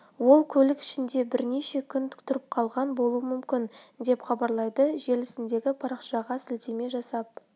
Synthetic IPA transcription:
wo̞lˠkʲʰɵlɪkɪ̥ʃɪnd̪e̞bɪɾne̞ʃe̞kʲʰʏnt̪ʰkt̪ʊɾɪp̚qʰɑlˠʁɑnbo̞lˠuwəmʏmkʲɪnd̪e̞pχɑbɑɾlˠɑjd̪əʒe̞lɪsɪnd̪e̞ɡʲɪpʰɑɾɑqʃɑʁɑsɪlt̪e̞me̞ʒɑsɑp̚

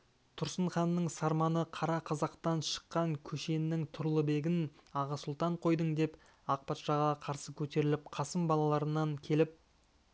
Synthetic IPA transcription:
t̪ʰʊɾsəɴχɑnːəɴsɑɾmɑnəqʰɑɾɑqʰɑzɑqt̪ɑnʃə̥qːɑŋkʲʰɵʃe̞nːɪŋt̪ʰʊɾlˠəbe̞ɡʲɪnɑʁɑsʊlˠt̪ɑɴqʰo̞jd̪əɴd̪e̞p | ɑq̚pɑt̪ʃɑʁɑqʰɑɾsəkʲʰɵt̪e̞ɾɪlɪp̚qʰɑsəmbɑlˠɑlˠɑɾənːɑŋkʲʰe̞lɪp̚

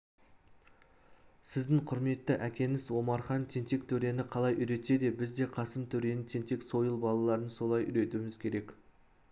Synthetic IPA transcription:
sɪzd̪ɪŋqʰʊɾme̞t̪ːɪʔækʲe̞nɪzwo̞mɑɾχɑnt̪ʰe̞nt̪e̞kt̪ʰɵɾe̞nɪqʰɑlˠɑjʔʏɾe̞t̪e̞d̪e̞bɪzd̪e̞qʰɑsəmt̪ʰɵɾe̞nɪt̪ʰent̪e̞kso̞jəlˠbɑlˠɑlˠɑɾənso̞lˠɑjʔʏ̰ɾe̞t̪umɪzkʲʰe̞ɾe̞k

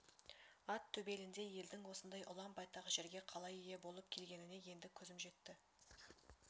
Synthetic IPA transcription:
ɑt̪ʰːɵbe̞lɪnd̪e̞je̞ld̪ɪŋwo̞sənd̪ɑjʔʊlˠɑmbɑjt̪ɑʁəʒe̞ɾɡʲe̞qʰɑlˠɑjije̞bo̞lˠəp̚kʲʰe̞lɡʲe̞nɪne̞je̞nd̪ɪkʲʰɵzɪmʒe̞t̪ːɪ

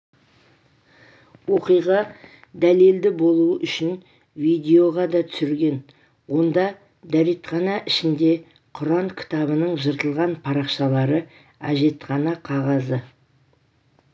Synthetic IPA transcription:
wo̞qijʁɑ | d̪æle̞ld̪ɪbo̞lˠuəʔʏʃɪn | vijd̪ʲeo̞ʁɑd̪ɑt̪ʰʏ̥sɪɾɡʲe̞n | wo̞nd̪ɑ | d̪æɾet̪χɑnɑʔɪʃɪnd̪e̞ | qʰʊɾɑŋkʲʰɪ̥t̪ɑβənəɴʒəɾt̪əlˠʁɑnpʰɑɾɑqʃɑlˠɑɾə | æʒe̞t̪χɑnɑqʰɑʁɑzə

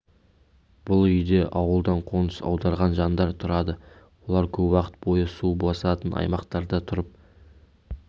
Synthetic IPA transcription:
b̥ʊlˠʏjd̪e̞ʔɑwəlˠd̪ɑɴqʰo̞nə̥sɑ̰wd̪ɑɾʁɑnʒɑnd̪ɑɾt̪ʰʊɾɑd̪ə | wo̞lˠɑɾkʲʰɵpwɑqə̥t̪̚bo̞jəsubɑsɑt̪ənʔɑ̰jmɑqt̪ɑɾd̪ət̪ʰʊɾəp̚

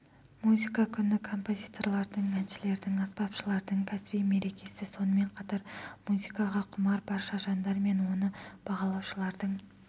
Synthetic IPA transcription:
muzʲikakʲʰʏnɪkʰo̞mpo̞zʲijt̪o̞ɾlˠɑɾd̪əɴænʃɪle̞ɾd̪ɪŋɑspɑpʃəlˠɑɾd̪əɴkʲʰæsbijme̞ɾe̞kʲe̞sɪso̞nəme̞ɴqʰɑt̪ɑɾmuzʲikɑʁɑqʰʊmɑɾbɑɾʃɑʒɑnd̪ɑɾme̞nwo̞nəb̥ɑʁɑlˠɑwʃəlˠɑɾd̪əɴ

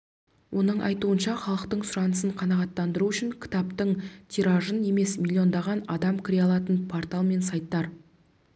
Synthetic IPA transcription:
wʔo̞nəɴʔɑ̰jt̪uənʃɑχɑlˠəqt̪əɴsʊɾɑnəsəɴqʰɑnɑʁɑt̪ːɑnd̪əɾuʏʃɪŋkʲʰɪ̥t̪ɑpt̪əɴt̪ʰiɾɑʒəne̞me̞smʲilʲˠːio̞nd̪ɑʁɑnɑd̪ɑmkʲʰɪɾʲeɑlˠɑt̪ənpʰo̞rt̪ɑlˠme̞nsɑjt̪ːɑɾ

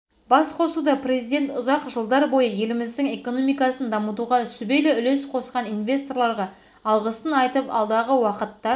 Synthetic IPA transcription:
b̥ɑsqʰo̞sud̪ɑpre̞zijd̪e̞nt̪ʊzɑqʒəlˠd̪ɑɾbo̞jəje̞lɪmɪzd̪ɪŋe̞ko̞no̞mijkɑsənd̪ɑmət̪uʁɑsʏbe̞jlɪʏle̞sqʰo̞sqɑninvʲe̞st̪o̞rlˠɑɾʁɑː | lˠʁəst̪ənɑjt̪əpɑ̰lˠd̪ɑʁəwɑqət̪ːɑ

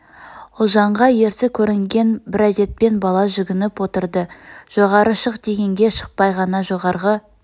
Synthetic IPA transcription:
ʊlˠʒɑɴʁɑje̞ɾsɪkʲʰɵɾɪŋɡʲe̞nbɪɾæd̪e̞t̪̚pe̞nbɑlˠɑʒʏɡʲɪnɪpwo̞t̪əɾd̪əʒ̥o̞ʁɑɾəʃəqd̪e̞ɡʲe̞ŋɡʲe̞ʃə̥q̚pɑjʁɑnɑʒo̞ʁɑɾʁə

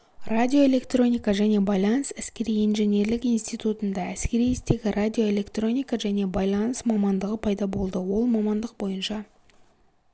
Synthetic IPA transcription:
radʲio̞e̞lʲe̞kt̪ro̞nʲijkɑʒæne̞bɑjlˠɑnsæskʲe̞ɾijinʒe̞ne̞ɾlɪkijnst̪ijt̪ut̪ənd̪ɑæskʲe̞ɾijɪst̪e̞ɡʲɪrad̪ʲio̞e̞lʲe̞kt̪ro̞nʲijkaʒæne̞bɑjlˠɑnəsmɑmɑnd̪əʁəpʰɑjd̪ɑbo̞lˠd̪əwo̞lˠmɑmɑnd̪əq̚bo̞jənʃɑ

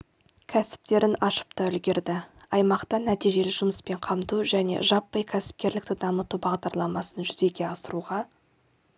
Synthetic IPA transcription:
kʲʰæsɪ̥p̚t̪e̞ɾɪnɑʃə̥pt̪ɑʏlɡʲe̞ɾd̪ɪɑjmɑqt̪ɑnæt̪ijʒe̞lɪʒʊməspe̞ɴqʰɑmt̪uʒæne̞̰ʒɑpːəjkʲʰæsɪ̥p̚kʲe̞ɾlɪk̚t̪ɪd̪ɑmət̪ubɑʁd̪ɑɾlˠɑmɑsənʒʏze̞ɡʲe̞ɑsəɾuʁɑ

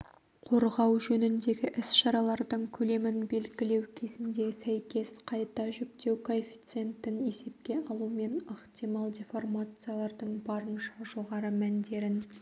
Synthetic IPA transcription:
qʰo̞ɾʁɑwʒɵnɪnd̪e̞ɡʲɪʔɪsʃɑɾɑlˠɑɾd̪əɴkʲʰɵle̞mɪnbe̞lɡʲɪle̞wkʲʰe̞zɪnd̪e̞sæjkʲe̞sqʰɑjt̪ɑʒʏk̚t̪e̞wkʰo̞fʲi̥t̪sɨe̞nt̪ɪne̞se̞p̚kʲe̞ɑlˠume̞nɑqt̪ijmɑlˠd̪ʲefo̞rmat̪sɨjalˠɑɾd̪əɴbɑɾənʃɑʒo̞ʁɑɾəmænd̪e̞ɾɪn

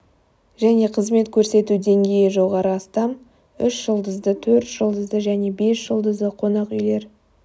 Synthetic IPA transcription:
ʒæne̞qʰəzme̞t̪kʲʰɵɾse̞t̪ud̪e̞ŋɡʲe̞jɪʒo̞ʁɑɾəɑst̪ɑm | ʏʃʒ̥əlˠd̪əzd̪ət̪ʰɵɾt̪ʒ̥əlˠd̪əzd̪əʒæne̞be̞sʒ̥əlˠd̪əzd̪əqʰo̞nɑqʏjle̞ɾ

